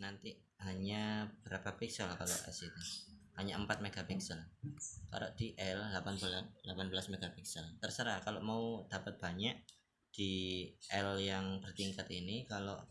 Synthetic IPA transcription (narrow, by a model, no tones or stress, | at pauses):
nant̪i | ɦaɲab̥əɾapapiksəlkalo̰ʔa̰sit̪uhaɲaəmpat̪̚meɡ̥apiksəlka̰lo̰ʔd̥iʔɛllapanbulanlapanbəlasmeɡapiksəlt̪ərsəɾakaloʔmaud̪̥apat̪̚b̥aɲaʔ | d̥iɛljaŋpərt̪iŋkat̪inikaloʔ